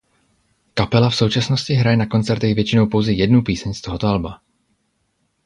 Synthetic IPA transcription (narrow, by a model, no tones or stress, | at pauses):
kapɛlafso̞wt͡ʃasno̞scɪɦɾajɛnako̞nt͡sɛɾt̪ɛɣvjɛt͡ʃɪnowpo̞wzɛjɛdnupiːsɛɲst̪oɦot̪oalba